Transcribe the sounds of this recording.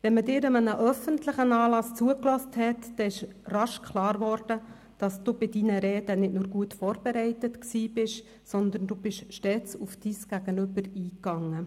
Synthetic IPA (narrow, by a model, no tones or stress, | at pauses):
vɛnmədɪːɾəmənəʔœfəntlɪχənɑːlɑst͡suəklɔsthɛtd̥ɛɪʃ | rɑʃkχlɑːɾʋɔːɾd̥ə | d̥ɑsd̥uːbɪdinəɾɛːdənɪtnʊːɾɡuətfɔːɾb̥ɛɾɛɪtətksiːb̥ɪʃ | sɔnd̪əndubɪʃʃtɛːt͡sufd̥iːsɡ̥æɡ̥ənʏbəɾiːkːɑŋːə